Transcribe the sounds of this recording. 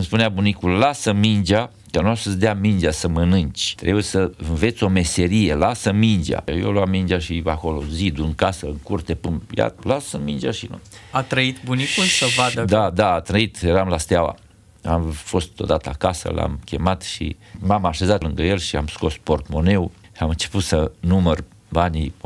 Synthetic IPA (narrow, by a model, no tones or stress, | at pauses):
ɨmspuneabunikullasəmind͡ʒʲa | kanuasəsd̪eamind͡ʒiasəmənɨnt͡ʃʲt̪ɾebujesəɨnve̞t̪sʲo̞me̞se̞ɾije̞lasəmind͡ʒa̰jo̰loamːind͡ʒaʃiako̞lo̞̰zid̪uɨŋkasəɨŋkurt̪e̞pɨmja̰lasəmind͡ʒʲa̰ʃinuat̪ɾəit̪bunikunsəvad̪əd̪ad̪aːt̪ɾəit̪jeɾamlast̪eawa̰ | amfo̞st̪o̞̰d̪at̪əa̰kasə̰la̰mkʲe̞mat̪ʃḭmamaʃe̞zat̪lɨŋɡəje̞lʃiamsko̞spo̞rt̪mo̞ne̞w | amɨnt͡ʃe̞put̪sənumər | banʲi